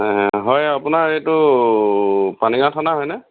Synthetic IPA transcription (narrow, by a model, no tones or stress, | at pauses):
ɦɔjapʊnaɹejtʊ | paniŋatʰanaɦɔjnɛ